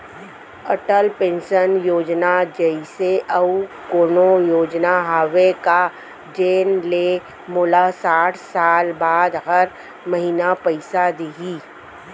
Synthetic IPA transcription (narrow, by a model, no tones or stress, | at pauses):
əʈəlpẽːnʃənjoːd͡ʒnad͡ʒəiseʔɐukoːnojoːd͡ʒnaɦaːʋeka | d͡ʒeːnle | moːlasaːʈʰsaːlbaːd̪ɦɐɾ | mɐɦiːnapɐɪsad̪iɦiː